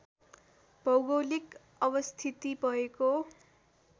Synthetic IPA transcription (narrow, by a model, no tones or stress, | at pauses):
b̥ʱʌwɡowlik | ʌbʌst̪ʰit̪ibʌɦeko